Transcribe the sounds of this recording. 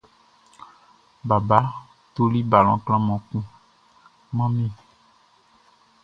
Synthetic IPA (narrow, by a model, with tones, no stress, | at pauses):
ba˨ba˦ | t̪o˦li˦ba˨l̃ɔ̃˦kl̃ã˦mɔ̃˨kũ˦ | mã˦mĩ˦˨